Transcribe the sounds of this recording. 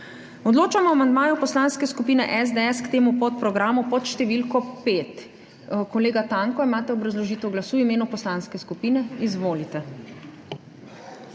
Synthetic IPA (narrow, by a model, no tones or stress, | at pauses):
ɔd̪loːt͡ʃamɔamand̪maːjupɔslaːnskɛskupiːnɛʔɛzd̪ɛɛskt̪eːmupɔt̪pɾɔɡɾaːmupɔt̪ʃt̪ɛʋiːlkɔpeːt̪ | kɔleːɡat̪aŋkɔimaːt̪ɛɔbɾazlɔʒiːt̪ɛwɡlasuːimeːnupɔslanskɛskupiːnɛizʋoːlit̪ɛ